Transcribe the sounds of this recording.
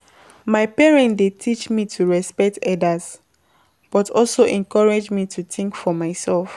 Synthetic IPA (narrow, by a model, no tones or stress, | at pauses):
maɪpɛɹɛ̃ndetʰit͡ʃmitʰuɹɛspɛk̚tɛdaz | b̥ɔtʰɔlsoʔɛ̃nkɔɹed͡ʒmitʰuθĩŋkfɔmaɪsɛlf